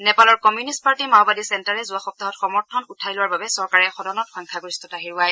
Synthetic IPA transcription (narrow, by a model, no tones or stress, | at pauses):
nɛpalɔɹkɔmjunist̚paɹtimawbadisɛntaɹɛzʊaxɔp̚t̪aɦɔtxɔmɔɹtʰɔnutʰajlʊwaɹbabɛsɔɹkaɹɛxɔdɔnɔtxɔjŋkʰaɡoɹistɔtaɦiɹuaj